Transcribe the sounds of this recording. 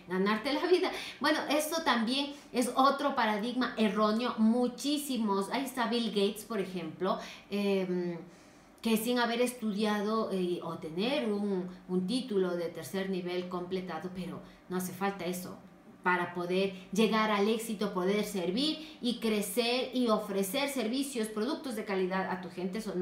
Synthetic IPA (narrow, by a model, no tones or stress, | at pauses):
ɡanaɾt̪e̞laβiðabwe̞no̞ʔe̞st̪o̞t̪ambje̞ŋ | e̞so̞t̪ɾo̞paɾaðiɣmaʔe̞ro̞njo̞mut͡ʃisimo̞sajst̪aβilɡejt̪spo̞ɾe̞xe̞mplo̞em | kesiŋaβe̞ɾe̞st̪uðjaðo̞ot̪e̞neɾuŋunt̪it̪ulo̞ðe̞t̪e̞ɾse̞ɾniβe̞lko̞mple̞t̪aðo̞pe̞ɾo | noas̬e̞falt̪ae̞so̞̰ | paɾapo̞ðe̞ɾʝe̞ɣaɾale̞ksit̪opo̞ðe̞ɾse̞ɾβiɾikɾe̞seɾio̞fɾe̞se̞ɾse̞ɾβisjo̞spɾo̞ðuk̚t̪o̞zðe̞kaliðaða̰t̪uxe̞nt̪e̞son